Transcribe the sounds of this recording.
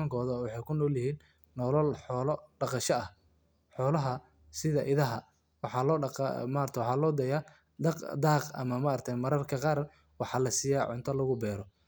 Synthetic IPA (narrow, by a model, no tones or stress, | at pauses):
ɐŋkʰɔːðɐwɑħɑjkʰʊnɔːwljɪhiːnː | ɔːlɔlħɔːlɔɖɑqɑʃɐɐh | ħɔːlɐɦɐ | sɪðɐʔɪðɐɦɐ | wɑħɑːlɔ̰ːmɐɾt̪ʰɛwɑħɑːlɔːd̪ɛjaː | d̪ɑqd̪ɑːqɐ̰mɐmɐɐɾrt̪ʰɛnmɐɾɐrkʰɐqɑːr | wɑħɑːlɐsiːjaːʕʊ̰nt̪ʰɐlɐɣʊbɛːɾɔ